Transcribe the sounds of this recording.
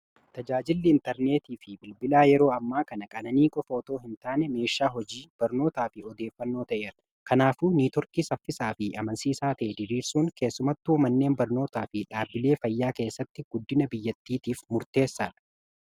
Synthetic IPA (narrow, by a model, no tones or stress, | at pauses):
t̪ɐd͡ʒaːd͡ʒɪlːɪɪnt̪ɛɾne̞ːt̪iːfɪbɪlbɪlaːjɛɾo̞ːɐmːaːkɐnɐkʼɐnɐniːkʼɔfɐɔt̪o̞ːɦɪnt̪aːnɛme̞ːʃːaːɦɔd͡ʒiːb̥ɐɾno̞ːt̪aːfɪɔd̪e̞ːfːɐnːo̞ːt̪ɐʔe̞ːɾɐ | kɐnaːfuːniːt̪ɔɾkiːsɐfːɪsaːfɪɐmɐnsiːsaːt̪ɐʔɛd̪ɪɾiːɾsuːŋke̞ːsːʊmɐt̪ːʊmɐnːe̞ːmbɐɾno̞ːt̪aːfɪᶑaːbɪle̞ːfɐjːaːke̞ːsːɐt̪ːɪɡ̥ʊd̪ːɪnɐbɪjːɐt̪ːiːt̪iːfmʊɾt̪e̞ːsːḁː